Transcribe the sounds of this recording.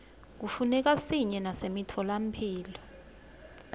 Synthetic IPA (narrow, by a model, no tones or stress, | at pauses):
k̬ufunɛk̬asiɲɛnasemitʰɔlam̩pʰiːlɔ